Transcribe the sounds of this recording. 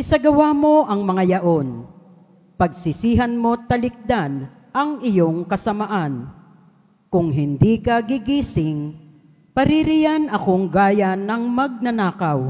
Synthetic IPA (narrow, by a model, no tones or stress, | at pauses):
ʔɪsɐɡɐwaːmo̞ʔɐŋmɐŋajɐʔo̞n | pɐɡ̚sɪsiːɦɐnmo̞t̪ɐlɪk̚d̪an | ʔɐŋʔɪjoŋkɐsɐmaʔan | kʊŋɦɪnd̪ikɐɡɪɡiːsɪŋ | pɐɾiɾijanɐkoŋɡaːjanːɐŋmɐɡ̚nɐnaːkaw